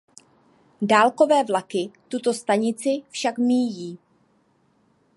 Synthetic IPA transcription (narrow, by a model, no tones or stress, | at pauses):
daːlko̞vɛːvlakɪt̪ut̪o̞st̪aɲɪt͡sɪfʃakmiːjiː